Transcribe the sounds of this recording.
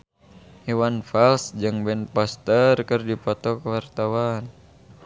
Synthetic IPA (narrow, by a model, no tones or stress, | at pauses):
hiwanfalsd͡ʒɨŋbɛnpɔst̪ərkɨrdipɔt̪ɔkwart̪awan